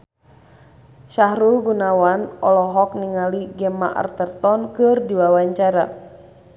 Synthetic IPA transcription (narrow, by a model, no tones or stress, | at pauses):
ʃaɦɾulɡunawanɔlɔɦɔk̚niŋaliɡɛmaʔa̰rt̪ərt̪ɔnkɨrdiwawaɲt͡ʃaɾa